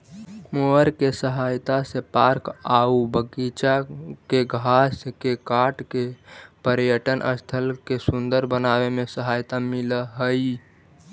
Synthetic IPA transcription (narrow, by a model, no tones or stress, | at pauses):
moəɾkesəɦajt̪asepaɾkaubəɡit͡ʃakeɡʱaskekaʈkepəɾjəʈənʔə̰st̪ʰəlkesund̪əɾbənaβemesəɦajt̪amiləɦəj